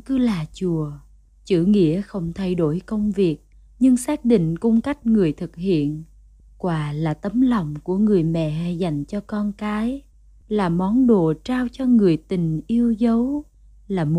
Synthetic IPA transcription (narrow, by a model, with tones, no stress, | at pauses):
kɨ˨˦laː˨˩t͡ɕu˨˩ə | t͡ɕɨ˧˩ŋḭ˧˥əxə˧wŋ͡mt̪ʰa˧jɗo˧˩jkə˧wŋ͡mvi˨˩ək̚ | ɲɨ˧ŋsaː˦˥k̚ɗḭ̈˧˨ŋ̟kʊ˧ŋ͡mka˦˥jk̟̚ŋɨ˨˩əjt̪ʰɨ˨˩k̚hḭ˧˨ən | kwaː˨˩laː˨˩t̪ə˨˦mla˨˩wŋ͡mku˧˩əŋɨ˨˩əjmɛ̰˧˨˧jza˨˩jŋ̟t͡ɕɔ˧kɔ˧nkaː˨˦j | laː˨˩mɔ˨˦nɗo˨t͡ɕaː˧wt͡ɕɔ˧ŋɨ˨˩əjt̪ï˨˩ŋ̟ʔi˧əwzə˨˦w | laː˨˩m˨